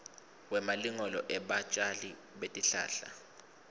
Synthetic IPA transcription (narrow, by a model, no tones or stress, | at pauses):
wɛmaliŋɔlɔʔɛɓat͡ʃʼali | ɓetʼiɬa̰ːɬa̰